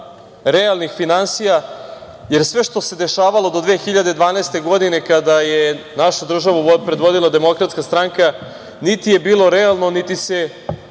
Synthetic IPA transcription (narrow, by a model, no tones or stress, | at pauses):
ɾealˠnixfinansija | jeɾsʋe̞ʃt̪o̞se̞d̪eʃaːʋalˠo̞d̪o̞d̪ʋeːxiʎad̪ed̪ʋaːnaest̪e̞ɡo̞d̪ine̞kad̪ajenaʃod̪r̩ʒaʋuopɾed̪ʋo̞d̪ilˠad̪e̞mo̞kɾat̪skast̪ɾaŋka | nit̪ije̞biːlˠo̞ɾealˠno̞nit̪ise